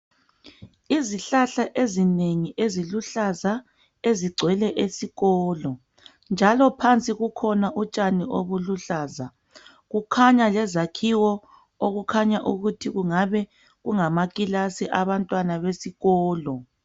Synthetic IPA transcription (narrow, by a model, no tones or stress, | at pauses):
iziɬaɬaʔezineŋiʔeziluɬaza | eziɡ͡ǀʱwɛlɛʔesiɣɔːlɔ | nd͡ʒʱalɔpʰant͡sʼiɣukʰɔnaʔut͡ʃʼaniʔoβuluɬaːza | ɣukʰaɲalɛzakʰiwɔ | oɣukʰaɲaʔuɣutʰiɣuŋaβɛ | ɣuŋamaɣʼilasiʔaβantʼwanaβesiɣɔːlɔ